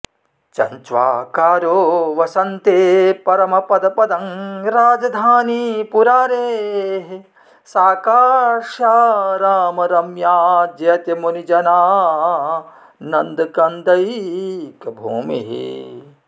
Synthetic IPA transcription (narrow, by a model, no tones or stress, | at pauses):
t͡ʃɐ̰ɲt͡ʃʋa̰ːkaːɾoːʋɐsɐnt̪eːpɐɾɐmɐpɐd̪ɐpɐd̪ɐŋɾaːd͡ʒɐd̪ʱaːnipuɾaːɾeːɦ | saːkaːʃjaːɾaːmɐɾɐmjaːd͡ʒɐjɐt̪jɐmonid͡ʒɐnaː | nɐnd̪ɐkɐnd̪ɐjkbʱuːmḭɦḭ